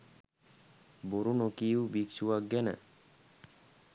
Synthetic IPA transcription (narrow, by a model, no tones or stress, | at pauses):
boɾunokiubiksuʋak̚ɡɛnə̰